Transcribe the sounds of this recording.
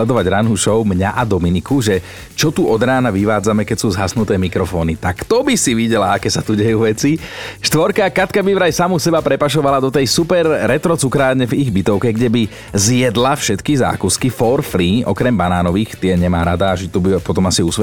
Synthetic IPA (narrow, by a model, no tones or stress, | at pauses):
ɛd̪ɔʋaɟɾanɦuʃɔʊmɲaʔad̪ɔminikuʒɛ | t͡ʃɔt̪uʔɔd̪ɾaːnaʋiʋaːd͡zamɛkɛcsuːzɦasnut̪ɛːmikɾɔfɔːnit̪akt̪ɔbisiʋiɟɛlaakɛːsat̪uɟɛjuːʋɛt͡siʃt̪ʋɔɾkakat̪kabiʋɾajsamusɛbapɾɛpaʃɔʋalad̪ɔt̪ɛjsupɛɾːɛt̪ɾɔt͡sukɾaːɲɛviɣbit̪ɔʊkɛɡɟɛbi | zjɛd̪lafʃɛt̪kiza̰ːkuskifɔɾfɾiːʔɔ̰kɾɛmbanaːnɔʋiːxt̪ɪɛɲɛmaːɾad̪aːʒit̪ubipɔt̪ɔmasiusʋɛ